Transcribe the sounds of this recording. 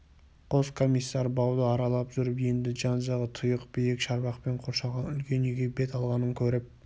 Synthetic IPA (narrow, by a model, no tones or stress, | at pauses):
qʰo̞skʰo̞mijsːɑɾbɑwd̪əɑɾɑlˠɑpʒʏɾɪpje̞nd̪ɪʒɑnʒɑʁət̪ʰʊjəqbɪjɪkʃɑɾbɑqpe̞ɴqʰoɾʃɑʁɑnʏlkʲe̞nʏjɡʲebe̞t̪ɑlˠʁɑnəŋkʲʰɵɾɪp̚